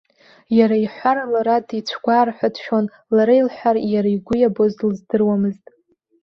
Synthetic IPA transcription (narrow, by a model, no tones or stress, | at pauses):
jaɾaiħʷaɾalaɾatʰʼit͡ɕʷʰɡʷaːrħʷᶣadʃᶣon | laɾailħʷᶣarjaɾaiɡʷʊjabozlzdɨrwamɨztʼ